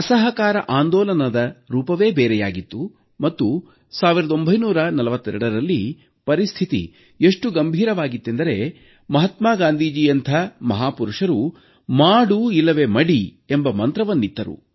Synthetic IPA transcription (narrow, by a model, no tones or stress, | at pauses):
ɐsɐɦɐkaːɾɐ̰ʔaːnd̪ɔːlɐnɐd̪ɐɾuːpɐʋe̞ːbeːɾɛjaːɡit̪ːu | mɐt̪ːu | saːʋiɾɐd̪o̞mbʱɐjnuːɾɐnɐlɐʋɐt̪ːɛɾɛɽɐɾɐlːi | pɐɾist̪ʰit̪ḭ | eʂʈuɡɐmbʱiːɾɐʋaːɡit̪ːe̞nd̪ɐɾe̞ | mɐɦɐt̪maːɡaːnd̪ʱiːd͡ʒijɐnt̪ʰɐmɐɦaːpuɾuʂɐɾu | maːɽuilːɐʋe̞mɐɽi | embɐmɐnt̪ɾɐʋɐnːit̪ːɐɾṵ